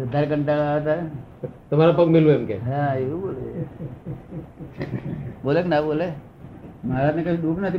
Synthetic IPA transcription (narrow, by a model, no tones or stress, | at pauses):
d̪ɐɾkɐɳʈakat̪aɾ | t̪ɐm̤aːɾapɐkmɪlʋeʊmkeɦãjebiboːle | boːleknaboːle | maːɾanekɐiduːknat̪ʰi